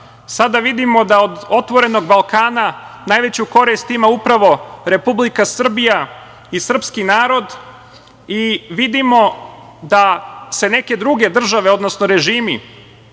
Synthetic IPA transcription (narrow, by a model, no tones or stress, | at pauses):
sad̪aʋid̪imo̞d̪aod̪o̞t̪ʋo̞ɾe̞no̞ɡbalˠkaːnanaːjʋe̞t͡ɕuko̞ɾist̪imaupɾaʋo̞ɾe̞publikasr̩bija | isr̩pskinaːɾo̞d̪ | iʋid̪imo̞ | d̪ase̞ne̞ke̞d̪ɾuɡe̞d̪r̩ʒaʋe̞o̞d̪nosnoɾe̞ʒiːmḭ